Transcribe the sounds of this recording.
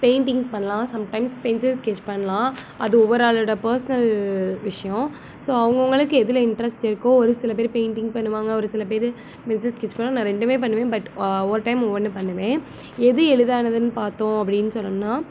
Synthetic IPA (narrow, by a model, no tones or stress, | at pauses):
peɪɳʈɪŋɡpɐɳːɐlãːsɐmʈɐɪmspɛnsɪlskɛt͡ʃːpɐɳːɐlãː | ɐðɯɔʋɐɾaːɭɯɽɐpɐːɾsɐnɐlʋɪʂɐjɔ̃ | soːɐʋɐŋɡɐʋɐŋɡɐɭɯkːɯɛðɪlɐɪɳʈɾɐsʈɪɾɯkːõɔɾɯsɪlɐp̬eːɾpeɪɳʈɪŋɡpɐɳːɯʋaːŋɡɐɔɾɯsɪlɐp̬eːɾɯ | pɛnsɪlskɛt͡ʃːpɐɳːõnãːɾɛɳɖɯmeːp̬ɐɳːɯʋẽːbɐʈɔʋɐɾʈɐɪmɔʋːɐnːɯpɐɳːɐʋẽː | ɛðɯɛɻɯðaːnɐðɯnɯpaːɾt̪õːɐpːɐɽɪnːɯsɔlːɐnːaː